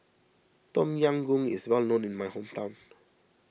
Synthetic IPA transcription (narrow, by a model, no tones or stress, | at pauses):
tɔ̃mjãŋɡũŋɪ̰swɛlnõnɪ̃nmajhõmtʰãw̃n